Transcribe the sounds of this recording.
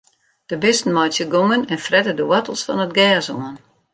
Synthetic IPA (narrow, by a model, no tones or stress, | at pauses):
d̥əbɪstn̩mɔjtsjəɡomənɛnfrɛtədəwɔtəl̩ˠsfɔ̰nət̚ɡɛːsoːən